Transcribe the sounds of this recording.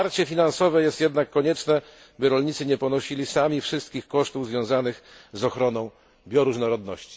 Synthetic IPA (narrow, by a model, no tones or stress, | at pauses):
aɾt͡ɕɛfʲinansɔvɛjɛst̪jɛd̪nakːɔɲɛt͡ʂnɛ | bɘɾɔlɲit̪sɘɲɛpɔnɔɕilʲisamʲifʂɘst̪̚kʲixkɔʂt̪uvzvʲjɔ̃w̃zanɘxzɔxɾɔnɔ̃w̃ | bʲjɔɾuʐnɔɾɔd̪nɔ̰ɕt͡ɕi̥